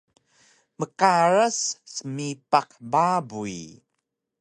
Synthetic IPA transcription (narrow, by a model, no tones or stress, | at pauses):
məkaɾəsːəmipaqbabui